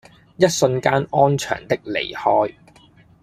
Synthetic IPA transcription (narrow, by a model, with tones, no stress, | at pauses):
jɐ˥t̚sɵ˧nkaː˥nɔː˥nt͡ʃʰœ̰ː˨˩ŋt̪ɪ˥k̚lḛ˨˩jhɔː˥j